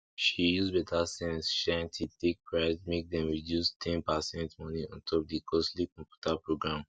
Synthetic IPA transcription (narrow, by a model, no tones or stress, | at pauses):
ʃijuzbɛtʰasɛ̃nsʃãntʰitek̚pʰɹaɪsmek̚dɛ̃mɹidjustʰɛ̃npasɛ̃ntmɔ̃niɔ̰̃ntʰɔp̚dikʰɔslikɔ̃mpju̥tʰapɹoɡɹãm